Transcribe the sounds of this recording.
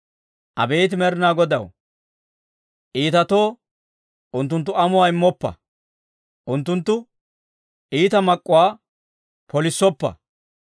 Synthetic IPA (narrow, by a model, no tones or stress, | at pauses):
ʔɐ̰be̞ːt̪̬ɪmɛɾɪnaːɡɔd̪ɐw | ʔiːt̪ɐt̪o̞ː | ʔʊnt̪ːʊnt̪ːʊɐmʊwaːɪmːɔpːɐ̰ | ʔʊnt̪ːʊnt̪ːʊ | ʔiːt̪ɐmɐkʼːʊwaː | pɔlɪsːɔpːɐ̰